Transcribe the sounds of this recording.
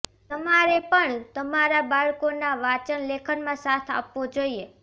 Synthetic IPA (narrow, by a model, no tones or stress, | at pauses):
t̪əmaɾepəɳt̪əmaɾabaɭkonaʋat͡ʃənlekʰənmãsat̪ʰa̰pʋod͡ʒoie